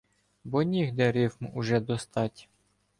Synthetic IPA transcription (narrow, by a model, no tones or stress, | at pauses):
bɔnʲiɣd̪ɛɾɪwmuʒɛd̪ɔst̪ɑtʲ